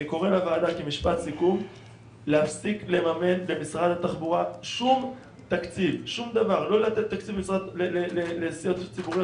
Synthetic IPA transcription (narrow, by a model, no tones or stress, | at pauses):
ko̞ʁelavaːdakemiʃpat̪sikum | lehafsiklemame̞nle̞misʁad̪hat̪aχbuʁaʃum | t̪akt͡sivʃumd̪avaʁlo̞lat̪et̪ːakt͡sivbemisʁad̪lelelelesiot̪t͡sibuʁi